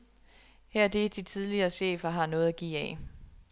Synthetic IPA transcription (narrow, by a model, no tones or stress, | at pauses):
hæɐ̰d̥e̝d̥it͡sʰiðˠliɐːɕḛːfɐɦɑ̈nɔ̽ːð̩ˠæɡ̥ḭːɛ